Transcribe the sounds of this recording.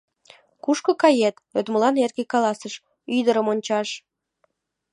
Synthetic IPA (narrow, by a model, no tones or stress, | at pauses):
kuʃkokɑjet̪øt̪məlɑnerɣekɑlɑsəʃ | yd̪əɾəmonʲt͡ɕɑʃ